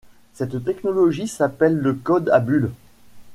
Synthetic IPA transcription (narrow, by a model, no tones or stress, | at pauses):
sɛt̪ːɛknɔlɔʒisapɛlːəkɔd̪abyl